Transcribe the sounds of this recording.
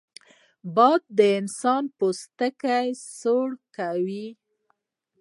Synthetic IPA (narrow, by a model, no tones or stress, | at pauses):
bɑd̪̚ːəɪnsɑnpost̪əkajsoɽkawi